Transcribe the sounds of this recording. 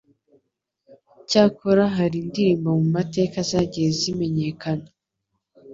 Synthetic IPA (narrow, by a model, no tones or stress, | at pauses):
caːkoɾaɦaɾindiɾiːmbamumate̞ːkazaɟiezime̞ɲe̞kana